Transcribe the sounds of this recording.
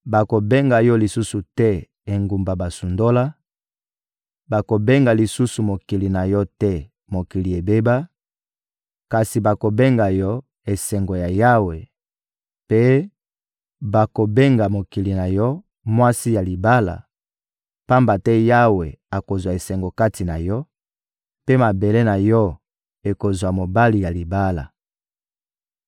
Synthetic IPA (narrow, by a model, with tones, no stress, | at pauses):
ba˨ko˨be˦ŋɡa˨jɔ˦li˨su˦su˨tɛ˦ | e˨ŋɡu˨mba˨ba˨su˨ndo˦la˦ | ba˨ko˨be˦ŋɡa˨li˨su˦su˨mo˨ki˨li˨na˨jɔ˦tɛ˦ | mo˨ki˨li˨e˨be˦ba˦ | ka˨si˨ba˨ko˨be˦ŋɡa˨jɔ˦ | e˨sɛ˨ŋɡo˨ja˨ja˦we˨ | pe˦ | ba˨ko˨be˦ŋɡa˨mo˨ki˨li˨na˨jɔ˦ | mwa˦si˦ja˨li˨ba˦la̰˨ | pa˦mba˨tɛ˦ja˦we˨a˨ko˨zwa˨e˨sɛ˨ŋɡo˨ka˦ti˨na˨jɔ˦ | pe˦ma˨be˨le˦na˨jɔ˦ | e˨ko˨zwa˨mo˨ba˦li˨ja˨li˨ba˦la̰˨